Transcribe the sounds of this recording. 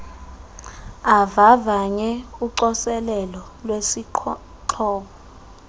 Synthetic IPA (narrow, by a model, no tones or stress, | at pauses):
avavaɲɛuǀɔsɛlɛlɔ | lwesi | ǃʰɔːɓɔ